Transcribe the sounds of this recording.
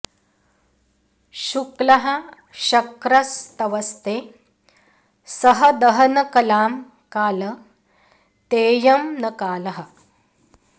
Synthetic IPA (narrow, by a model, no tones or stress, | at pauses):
ʃuklɐɦɐ̆ | ʃɐkɾɐst̪ɐʋɐst̪eː | sɐɦɐ̆d̪ɐɦɐnɐkɐlaːm | kaːlɐ | t̪eːjɐmnɐkaːlɐɦɐ̆